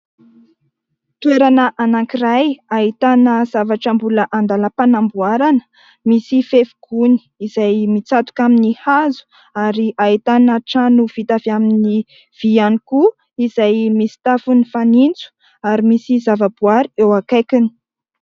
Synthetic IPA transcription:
t̪ueɾanəʔanaŋkirajait̪anəz̥avaʈ͡ʂəmbuləʔand̪aləpanambuaɾanə̥ | misifefuɡ̥uni̥izajmit͡sat̪u̥kaminihazu̥ | aɾiʔait̪anaʈ͡ʂanuv̥it̪aviamini | v̥ianiku | izajmisi̥t̪afunifanint͡su̥ | aɾimisizavab̥uaɾiewakajkini̥

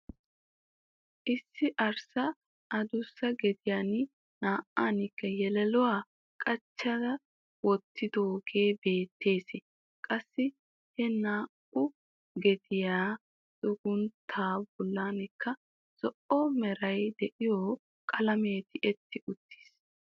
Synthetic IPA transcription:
ʔɪsːɪʔɐɾsɐ | ɐd̪ʊsːɐɡɛd̪ɪjaːnɪ | naːʔaːnɪkːɐjɛlɛlʊwaː | kʼɐt͡ʃːɐdɐ | wɔt̪ːɪd̪oːɡe̞ːbe̞ːt̪ːeːsɪ | kʼɐsːɪ | hɛnaːkʊ | ɡɛd̪ɪjaː | sʼʊɡʊnt̪ʰaːbɔlːaːnɪkːɐ | sɔʔɔmɛɾɐjd̪ɛʔɪjoː | kʼɐlɐme̞ːt̪ɪʔɛt̪ʰːɪʊt̪ːi̥ːs

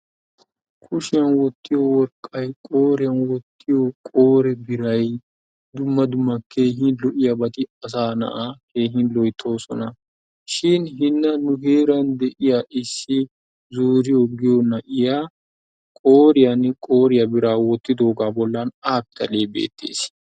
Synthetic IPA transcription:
kʰʊʃɪjɐnwɔt̪ːɪjowɔɾkʼːɐjkʼo̞ːɾɪjɐnwɔt̪ʰːɪjokʼoːɾɛbɪɾɐj | d̪ʊmːɐd̪ʊmːɐkeːɦɪnlɔʔɪjɐbɐt̪ɪɐs̬aːnɐ̰ʔake̞ːɦɪnlɔjt̪ʰːo̞ːsɔ̰nɐ | ʃɪnɦɪnːɐnʊke̞ːɾɐnd̪ɛʔɪjaʔɪsːɪ | zuːɾɪjɔɡɪjɔnɐʔɪjaː | kʼoːɾɪjɐnkʼo̞ːɾɪjɐbɪɾaːwɔt̪ːɪd̪o̞ːɡaːbɔlːanaːb̚t̪ɐle̞ːbḛːt̪ːḛːs

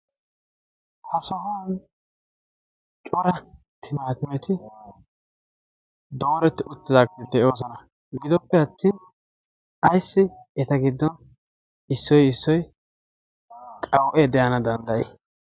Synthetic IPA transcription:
hɐsɔɦaːn | t͡ʃʼɔɾɐ | t̪ʰɪmaːt̪ɪmɛt̪ɪ | d̪o̞ːɾɛt̪ːɪʔʊt̪ːɪzaːkt̪d̪ɛʔo̞ːs̬ɔnɐ | ɡɪd̪ɔpːɛɐt̪ːiːn | ɐjsːɪɛt̪ɐɡɪd̪ːɔn | ɪsːɔjɪsːɔj | kʼɐwʔɛd̪ɛjɐnɐd̪ɐnd̪ɐʔɛ̰ː

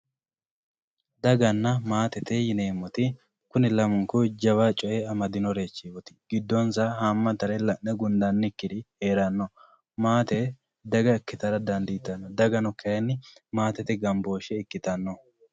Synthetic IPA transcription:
d̪ɐɡɐnːɐmaːt̪ɛt̪ɛjɪneːmːɔt̪ɪ | kʊnɪlɐmʊŋkʊd͡ʒɐβaːt͡ʃʼɔʔeɐmɐd̪ɪnɔɾe̞ːt͡ʃːiwɔt̪ɪ̥ɡ̥ɪd̪ːɔnsɐhamːɐt̪ɐɾɛlɐʔːɛɡʊnd̪ɐnːɪkːɪd̪ɪhe̞ːɾɐnːɔ | maːt̪ɛ | d̪ɐɡɐɪkːɪt̪ɐɾɐd̪ɐnd̪ɪːt̪ːɐnːɔd̪ɐɡɐnɔkʰːɛjɐnːɪmaːt̪ɛt̪ɛɡɐmbo̞ːʃɛɪkːɪt̪ɐnːɔ

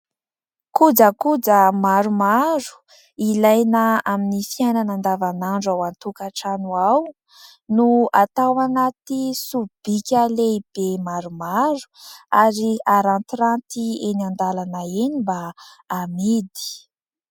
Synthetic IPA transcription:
kud͡zəkud͡zəmaɾumaɾu̥ | ilajnəaminifiajnanand̪avanaɳɖ͡ʐawant̪ukaʈ͡ʂanuaw | nuat̪awanat̪isub̥ikʲaleib̥emaɾumaɾu̥aɾiaɾant̪iɾant̪ienand̪alanaenimbaːmid̪i̥

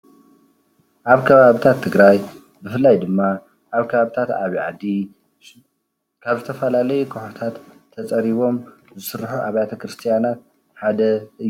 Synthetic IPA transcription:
ʔaβkʰɐβaβit̪ʰat̪ʰːɨɡɾaj | bɨfɨlːajd̪ɨmːa | ʔaβkʰɐβaβit̪ʰat̪a̰βiʕa̰d̪i | kʰaβzɨt̪ʰɐfɐlalɐjukʰɨħot̪ʰat̪ʰː | ɐt͡sʼɐɾiβo̞m | zɨsɨɾħuʔaβjat̪ʰɐkɾɨst̪ʰijanat̪̚ | ħad̪ɐʔɨjːu

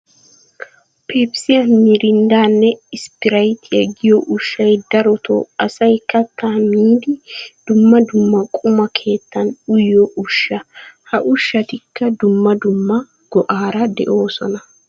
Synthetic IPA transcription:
pʰeːpsɪjɐmiːɾɪnd̪aːnːɛɪspɪɾɐjt̪ʰɪjɐɡɪjɔʔʊʃːɐjd̪ɐɾɔt̪ʰo̰ɐsɐjkɐkːaːmiːd̪ɪd̪̥ʊmːɐd̪ʊmːɐkʼʊmɐkʰe̞ːt̪ːɐnʊjːɔʔʊʃːɐhɐʔʊʃːɐt̪ɪkːɐd̪ʊmːɐd̪ʊmːɐ | ɡ̥ɔʔaːɾɐd̪ɛ̰ʔo̞ːsɔnɐ

